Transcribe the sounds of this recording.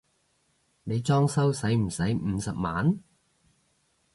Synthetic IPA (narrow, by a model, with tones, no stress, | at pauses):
ne˨˧jt͡sɔː˥ŋsɐ˥wsɐ˨˥jm̩˨˩sɐ˨˥jm̩ː˨˥sɐ˨p̚ma̰ː˨˥n